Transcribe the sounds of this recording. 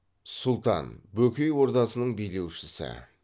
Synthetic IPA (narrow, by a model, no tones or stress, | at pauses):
sʊlˠt̪ɑ̰nbɵkʲejwo̞ɾt̪ɑsənəɴbijle̞wʃɪsɪ̰